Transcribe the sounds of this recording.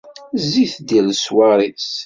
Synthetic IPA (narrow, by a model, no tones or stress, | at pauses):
ziθd̪ilswaɾˤis